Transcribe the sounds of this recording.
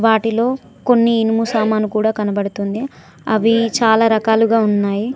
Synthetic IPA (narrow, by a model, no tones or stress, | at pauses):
ʋaːʈilo̞ː | ko̞nːiːnimuːsaːmaːnukuːɽaːkɐnɐbɐɽut̪und̪i | ɐʋit͡ʃaːlaːɾɐkaːluɡaːunːaːji